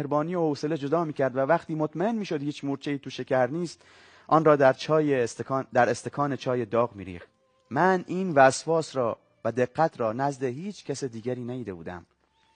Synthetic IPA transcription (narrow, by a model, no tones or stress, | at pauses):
hɾbɒːnijohoːse̞led͡ʒo̞d̪ɒːmiːcʰæɾd̪vævæχt̪iːmot̪ʰmæe̞nmiːʃo̞d̪hiːt͡ʃmuɾt͡ʃʰeiːt̪ʰuʃe̞cʰæɾniːst̪ | ʔɒːnɾɒːd̪æɾt͡ʃʰɒːjed̪æɾest̪ekʰɒːne̞t͡ʃʰɒːje̞d̪ɒːɣmḭːɾḭːχt̪ | mænʔiːnvæsvɒːsɾɒː | væd̪eɣːæt̪ʰɾɒːnæzd̪e̞ɦiːt͡ʃʰcʰæsed̪iːɡæɾiːnæjiːd̪e̞bṵːd̪æ̰m